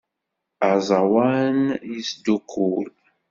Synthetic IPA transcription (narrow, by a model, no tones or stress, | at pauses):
azawanizdukʰul